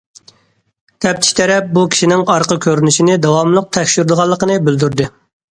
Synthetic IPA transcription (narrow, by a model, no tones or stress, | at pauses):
t̪ʰɛp̚t̪ʰɪ̥ʃt̪ʰɛɾɛp̚bukʲʰi̥ʃinɪŋɑɾqəkʲʰøɾynyʃinɪd̪ɑwɑmlˠəq̚t̪ʰɛkʲʃyɾd̪əʁɑlˠːəqənɨbyld̪yɾd̪ɨ